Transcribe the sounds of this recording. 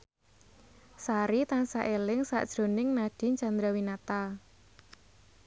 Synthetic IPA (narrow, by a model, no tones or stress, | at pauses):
saɾit̪ansaʔelɪŋsa̰ʔd̥ʒ̥ɾo̤nɪŋnaɖ̥i̤ɲt͡ʃand̪ɾawinat̪a